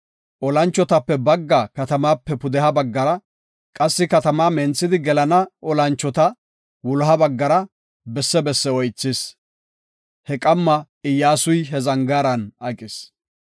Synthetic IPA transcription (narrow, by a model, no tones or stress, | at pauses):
ʔɔlɐnt͡ʃːɔt̪ɐpːɛbɐɡːakɐt̪ɐmaːpːɛpʊd̪ɛɦɐbɐɡːɐɾɐ | kʼɐsːɪkɐt̪ɐmaːmɛnt͡sːɪd̪ɪɡɛlɐnɐɔlɐnt͡ʃːɔt̪ɐ | wʊlɦɐbɐɡːɐɾɐ | bɛsːɛbɛsːɛɔjt͡sːɪs | hɛkʼɐmːɐ | ɪjːaːsʊjɦɛzɐŋɡaːɾɐnɐkʼɪs